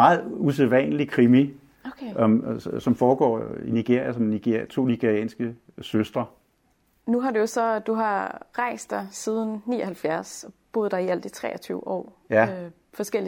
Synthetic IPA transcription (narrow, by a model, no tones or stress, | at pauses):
ɑ̈ːð̩ˠus̬eðˠʋɛnlikʰʁimi | okʰmsɒ̽mfɒːɡ̥ɒ̰ːiniɡ̥e̝ɐ̰jæsɒ̽mni̥t͡sʰo̝̰ːniɡ̥eʁiɛ̰ːnsɡ̥ə | søsd̥ʁɐ | nuɦɑ̈dujosɒ̽d̥uɦɑ̈ʁɑ̈ɪ̰sd̥ɑ̈ɪsið̞ˠn̩nḭːɒhælfjæɐsɒb̥o̝ð̞̩ˠd̥ɑ̈iæl̰d̥it͡sʰʁɛ̰ːɐt͡sʰyʊʔɒ̰ː | jæ | fɒ̽sɡ̥el̰